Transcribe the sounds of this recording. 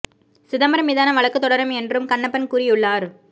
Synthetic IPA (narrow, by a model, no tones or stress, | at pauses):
sɪðɐmɐɾɐmɪːðaːnɐʋɐɭɐkːɯt̪ːɔɽɐɾɐmɛndrɯmkɐɳːɐpːɐnkuːɾɪjɯɭːaːɾ